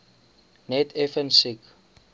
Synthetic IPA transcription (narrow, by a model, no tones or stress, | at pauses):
nɛtʰɛfənsik